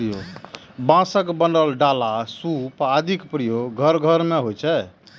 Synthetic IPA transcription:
ɾijo | bãsəkbənɖəlɖalasupad̪ʱikpɾijoɡʱəɾɡʱəɾmeɦot͡ʃʰɛ

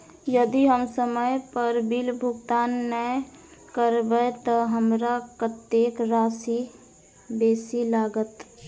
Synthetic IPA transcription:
jəd̪iɦəmsəməjpəɾbilbʱʊɡt̪aːnːəkəɾbət̪ɔɦəmɾakət̪ːeːkɾaːsi | beːsilaːɡət̪

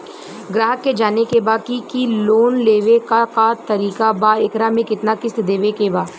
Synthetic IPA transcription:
ɡɾaːɦəkːed͡ʒaːnekebaːkikiloːnleːʋekakat̪ɐɾiːkabaːɪkɾamẽkɪt̪nakɪsd̪eːʋekebaː

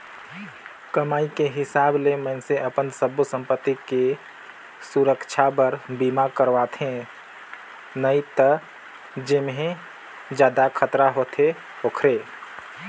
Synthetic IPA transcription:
kəmaːikeɦɪsaːblemɛ̃nseʔəpənsəbusə̃mpət̪ːike | suɾəkt͡ʃʰabəɾbiːmakəɾʋat̪ʰẽ | nəit̪ə | d͡ʒɪmɦẽ | d͡ʒjaːd̪akʰət̪ɾaɦot̪ʰe | oːkʰɾeː

